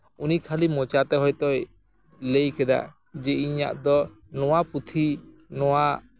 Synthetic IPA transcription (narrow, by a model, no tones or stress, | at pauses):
unikʰalimɔt͡ʃat̪ɛɦɔjt̪ɔj | lejkɛd̪a̰ | d͡ʒeiɲa̰ʔd̪ɔ | nɔwaput̪ʰi | nɔwa